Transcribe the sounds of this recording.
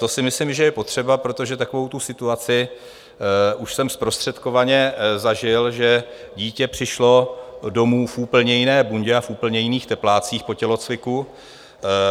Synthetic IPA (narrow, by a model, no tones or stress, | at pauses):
t̪o̞sɪmɪslɪmʒɛjɛpo̞t̪r̝̥ɛbapɾot̪oʒɛt̪akovo̞wt̪usɪt̪uat͡sɪ | ʔuʃsɛmspɾo̞st̪r̥ɛt̪ko̞vaɲɛzaʒɪlʒɛ | ɟiːcɛpr̝̥ɪʃlo̞do̞muːfʔuːpl̩ɲɛjɪnɛːbuɲɟɛafuːpl̩ɲɛjɪniːxt̪ɛplaːt͡siːxpo̞cɛlo̞t͡svɪku